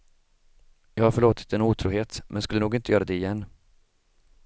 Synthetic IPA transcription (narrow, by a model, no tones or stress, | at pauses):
jɑːɡhaɾfœɭoːt̪ɪ̥t̪ɛnuːt̪ʰɾuːɦeːt̪mʔɛnskɵlːənuːɡɪnt̪əjœːɾad̪ɛɪjɛnː